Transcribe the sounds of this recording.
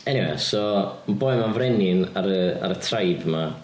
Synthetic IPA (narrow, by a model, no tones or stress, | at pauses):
ɛniwɛ̰sɔmaboɨmanvrɛnɪnaɾəa̰ɾətʰrajbma